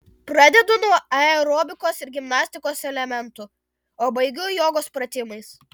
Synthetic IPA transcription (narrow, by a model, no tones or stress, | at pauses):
pɾɑd̪ʲɛd̪ʊnuɔɐɛɾoːbʲɪkoːsɪɾɡʲɪmnɑːsʲt̪ʲɪkoːsɛlʲɛmʲɛnt̪ʊ | oːbɐɪɡʲʊjoːɡoːspɾɐt̪ʲɪmɐɪs